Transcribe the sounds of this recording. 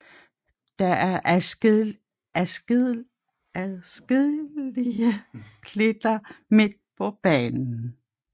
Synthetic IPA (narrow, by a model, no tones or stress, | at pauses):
d̥ɑʔæɐʔ | æsɡ̥ðˠ | æðˠsɡ̥eðˠliəkʰled̥ɐme̝d̥̚pʰɒ̽b̥ɛ̰ːnn̩